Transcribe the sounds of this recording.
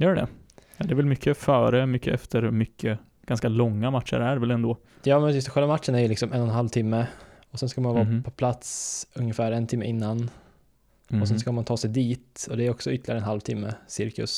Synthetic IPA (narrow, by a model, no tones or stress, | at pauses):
jœːɖɖɛ̰ | jɑːd̪ɛːvɛlmʏkʰːəfœːɾəmʏkːəʔɛft̪ʰəɾmʏkʰːə | ɡ̥anskalɔŋːamat̪ʂə̰ɾæɾvɛlɛnd̪oː | jɑːmɛnɪst̪ɧɛlvamat̪ːʂəɳæɾjəlɪksɔmʔɛnːɔnɦalvt̪ʰɪmːə | ɔsɛnskamanvɑːpʰɔpʰlat̪sɵŋjəfæːɾɛnt̪ʰɪmːəʔɪnːan | ɔsɛnskamant̪ʰɑːsɛjd̪iːt̪ɔd̪ɛæɾɔksɔʏt̪ːlɪɡaɾɛnhalvt̪ʰɪmːəsɪɾkɵ̰s